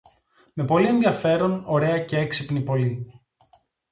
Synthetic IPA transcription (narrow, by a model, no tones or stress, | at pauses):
me̞po̞lie̞nðiɐfe̞ɾo̞no̞ɾe̞ɐce̞eksipnipo̞li